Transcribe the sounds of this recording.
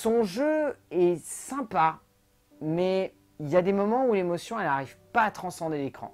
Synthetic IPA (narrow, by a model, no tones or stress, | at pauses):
sɔ̃ʒøɛsɛ̃pa | mɛ | iljad̪emɔmɑ̃ulemɔsjɔ̃ɛlnaʁiv̥paːt̪χɑ̃sɑ̃d̪elekχɑ̰̃